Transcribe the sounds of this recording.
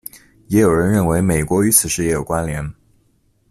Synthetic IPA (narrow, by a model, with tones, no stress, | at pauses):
jɛ˧˥jo˨˩ʊɻə˧˥nɻə˥˩nwe˧˥ɪme˨˩ɪkwɔ˧˥y˧˥t͡sʰɹ̩˨˩ʂɻ̩˥˧jɛ˧˥jo˨˩ʊkwa˥nljɛ˧˥n